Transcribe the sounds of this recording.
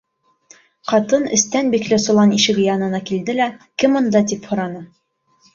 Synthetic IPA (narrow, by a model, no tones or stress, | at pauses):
qɑt̪ɤnɘ̆st̪ænbiklɘsŭlˠɑniʃɘ̆ɡɘjɑnɤ̆nɑkild̪ɘlækɘmŏnd̪ɑt̪̬iphŏɾɑnɤ